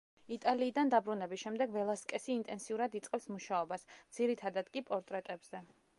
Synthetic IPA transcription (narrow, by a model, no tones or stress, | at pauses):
it̪ʼaliːd̪and̪abɾunɛbisʃɛmd̪ɛɡvɛlˠaskʼɛsiːnt̪ʼɛnsiuɾad̪it̪sʼqʼɛpsmuʃaɔbasd̪z̥iɾit̪ʰad̪ad̪kʼipʼɔɾt̪ʼɾɛt̪ʼɛbz̥ɛ